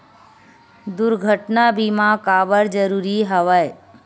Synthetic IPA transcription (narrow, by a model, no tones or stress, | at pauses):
d̪ʊɾɡʱəʈnabimãkaːbəɾd͡ʒəɾuːɾiɦəʋəe